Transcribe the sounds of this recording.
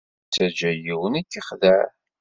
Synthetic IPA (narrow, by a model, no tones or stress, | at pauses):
t͡sːæd͡ʒæjiwənikːiχðæɾ